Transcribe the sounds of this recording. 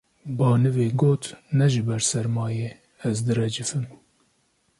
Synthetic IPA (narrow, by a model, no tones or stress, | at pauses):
bɑːnɨveːɡoːt̪nɛʒɨbɛɾsɛɾmɑːjeː | ɛzd̪ɨrɛd͡ʒɨfɨm